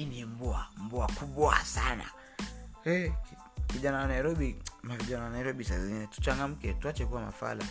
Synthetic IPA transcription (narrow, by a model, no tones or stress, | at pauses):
inimbuambuakuɓɔa̰sana̰ | ɛ | kiʄanawanaiɾɔɓimaviʄanawanaiɾɔɓisazinɛtu̥t͡ʃaŋɡam̩kɛtuat͡ʃɛkuwama̰fa̰la̰